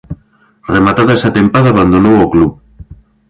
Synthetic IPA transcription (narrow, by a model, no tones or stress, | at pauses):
remat̪aðaɛsat̪empaðaβand̪onowokluβ